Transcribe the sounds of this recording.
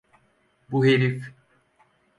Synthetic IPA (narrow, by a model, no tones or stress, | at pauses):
buheɾif